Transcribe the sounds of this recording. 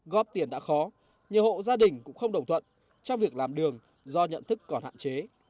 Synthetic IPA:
ɣɔ˦˥p̚t̪i˧˩ənɗa̰ː˧˥xɔ˨˦ | ɲɨ˨ho̰˧˨zaː˧ɗï˨˩ŋ̟kʊ̰˧˥ŋ͡mxə˧wŋ͡mɗə˨˩wŋ͡mt̪ʰwə̰˧˨n | t͡ɕɔ˧wŋ͡mvi˨˩ək̚laː˨˩mɗɨ˨˩əŋ | zɔ˧ɲə̰˧˨nt̪ɨ˦˥kːɔ˨˧˩nha̰ː˧˨t͡ɕe˨˦

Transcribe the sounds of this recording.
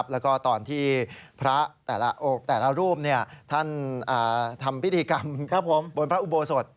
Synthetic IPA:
p̚lɛː˦˥wkɔː˥˩t̪ɔː˨˩nt̪ʰiː˥˩pʰɾa˦˥t̪ɛː˨˩la˦ʔo˨˩k̚t̪ɛː˨˩la˦˥ɾuː˥˩əmni˥˩ɐt̪ʰa˥˩nʔaː˨˩t̪ʰa˧mpʰi˦˥t̪ʰːiː˧ka˧mʰa˦˥pʰo˨˦mbo˧npʰɾa˦˥ʔu˧boː˧so˨˩t̪̚

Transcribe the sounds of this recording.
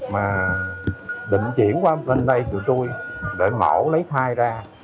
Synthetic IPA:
maː˨˩ | ɗḭ̈˧˨ŋ̟t͡ɕḭ˧˩˨ənkwaː˧lə˧˩nɗə˧jtɨ˨˩t̪u˧jɗe˧˩mɔ̰˧˩lə˨˦jt̪ʰaː˧jzaː˧

